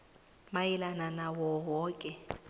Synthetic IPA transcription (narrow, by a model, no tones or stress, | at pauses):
majilananawɔɦɔːkʼɛ